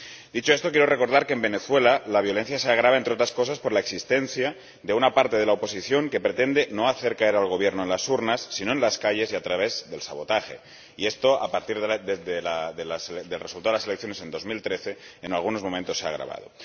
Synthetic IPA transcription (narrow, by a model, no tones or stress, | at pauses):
d̪it͡ʃo̞e̞st̪o̞k̬jeɾo̞re̞ko̞ɾð̞aɾkeːmbe̞ne̞θwe̞lalaβjo̞le̞n̟θjaseaɣ̞ɾaβaent̪ɾeo̞t̪ɾasko̞s̬aspo̞ɾlaeksist̪e̞n̟θja | d̪e̞unapaɾt̪e̞ð̞e̞laopo̞siθjo̞ŋke̞pɾe̞t̪e̞nd̪e̞no̞aθe̞ɾkae̞ɾalɣ̞o̞β̞je̞ɾnoe̞nlasuɾnasːino̞enlaskaʎe̞siat̪ɾaβe̞zðe̞lsaβo̞t̪axe̞̰ | ie̞st̪oa̰paɾt̪iɾððeðelaðelased̪elre̞sult̪aelaselek̚θjo̞ne̞se̞nd̪o̞zmilt̪ɾe̞θe̞ːnalɣ̞uno̞zmõ̞mẽnt̪o̞sːea̰ɣ̞ɾa̰βa̰ð̞o̞̰